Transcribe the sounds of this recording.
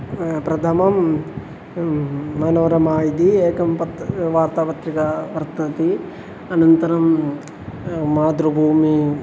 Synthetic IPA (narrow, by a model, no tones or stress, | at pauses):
pɾɐt̪ʰɐmɐm | ɐnoːɾɐmaːjid̪ieːkɐmpɐt̪ʋaːɾt̪aːʋɐt̪ɾikapɐɾt̪ɾɐt̪i | ɐnɐnt̪ɐɾɐm | maːd̪ɾubʱuːmi